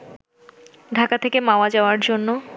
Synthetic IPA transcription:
ɖʱakat̪ʰekemaoad͡ʑaoaɾd͡ʑonːo

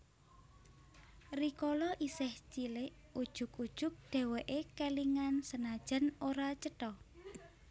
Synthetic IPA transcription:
rikolɔʔisɪht͡ʃilɪʔ | ud̥ʒ̥ʊ̤kud̥ʒ̥ʊ̤k̚ɖ̥ɛ̤wɛʔekeliŋansənad̥ʒ̥a̤noɾat͡ʃəʈɔ

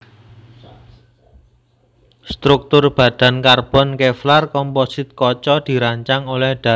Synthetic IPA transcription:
st̪ɾuk̚t̪ʊrb̥ä̤d̪̥ä̤nkarb̥ɔnkeflarkɔmpɔsɪt̪̚kɔt͡ʃɔd̪̥i̤ɾaɲt͡ʃaŋolɛhɖ̪̥a̤

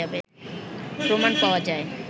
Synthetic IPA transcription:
abe | pɾomanpaoad͡ʑae

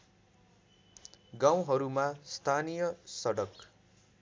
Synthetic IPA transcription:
ɡãw̃ɦʌɾumast̪ʰanijʌsʌɽʌk

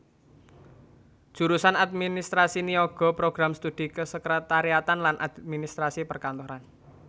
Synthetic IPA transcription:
d̥ʒ̥ṳɾusanad̪̚minist̪ɾasinioɡ̥ɔ̤pɾoɡ̥ɾamst̪ud̪̥ikəsəkɾet̪aɾiat̪anlanʔa̰d̪minist̪ɾasipərkant̪oɾan

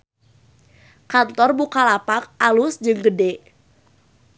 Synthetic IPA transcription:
kant̪ɔrbukalapak̚ʔalusd͡ʒɨŋɡədɛ

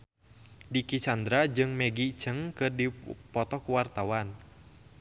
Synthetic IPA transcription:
dikit͡ʃand̪ɾad͡ʒɨŋmɛɡit͡ʃəŋkɨrdipɔt̪ɔkuwart̪awan

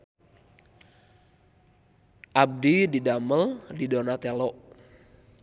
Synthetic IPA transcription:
ʔab̚dididaməldidonat̪elɔʔ

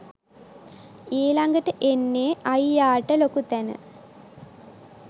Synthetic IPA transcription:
eːlɐŋɡəʈːəʔenːeːɐjjaːʈːəlokut̪ɛnə̰

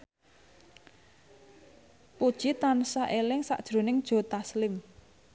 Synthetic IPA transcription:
pud̥ʒ̥it̪ansaʔelɪŋsa̰ʔd̥ʒ̥ɾo̤nɪŋd̥ʒ̥o̤t̪aslɪm

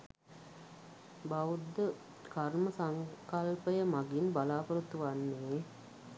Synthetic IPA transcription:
baʋud̪ːə | kaɾməsaŋkɐlpəjəmaɡinbalaːpəɾut̪ːuʋanːeː

